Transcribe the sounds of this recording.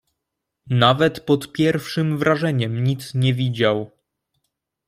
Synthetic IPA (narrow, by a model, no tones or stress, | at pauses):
navɛt̪pɔt̪pʲjɛɾfʂɘmvɾʔaʐɛɲɛmɲit̪sɲɛvʲid͡ʑaw